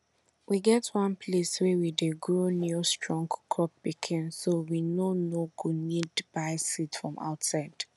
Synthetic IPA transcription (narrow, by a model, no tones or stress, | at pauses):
wiɡɛtʰwãnpʰleswɛwideɡɹonistɹɔ̃ŋɡkʰɔp̚b̥ikʰɪ̃nsowinonoɡunidb̥aɪsitfɹɔ̃ma̰ʊtsaɪd̥